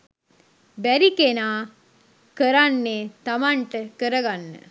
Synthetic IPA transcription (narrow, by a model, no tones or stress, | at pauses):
bæɾikenaː | kəɾanːeːt̪amaɳʈəkəɾəɡanːə̰